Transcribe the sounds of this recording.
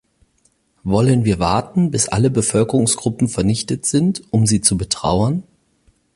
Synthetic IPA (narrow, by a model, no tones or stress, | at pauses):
vɔlənviːɐvaɐtn̩bɪsʔa̰ləbəfœlkəʁʊŋsɡ̥ʁʊpm̩fɛɐnɪçtətz̥ɪntʔʊmziːt͡subətʁ̥a̰ʊɐn